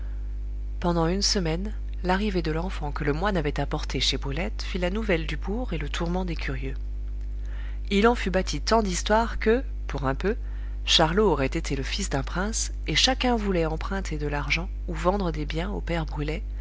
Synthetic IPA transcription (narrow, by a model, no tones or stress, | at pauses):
pɑ̃d̪ɑ̃ynsəmɛn | laʁived̪əlɑ̃fɑ̃kələmwanavɛt̪apɔʁt̪eʃebʁylɛt̪filanuvɛld̪ybuʁelət̪ʰuʁmɑ̃d̪ekʲyʁjø | ilɑ̃fybat̪ʰit̪ɑ̃d̪ist̪waʁkə | puʁɛ̃pø | ʃaʁloːʁɛt̪et̪ʰeləfisd̪ɛ̃pχɛ̃s | eʃakʲɛ̃vulɛɑ̃pχɛ̃t̪ʰed̪əlaʁʒɑ̃ | uvɑ̃d̪ʁəd̪ebjɛ̃o̰pɛʁbʁylɛ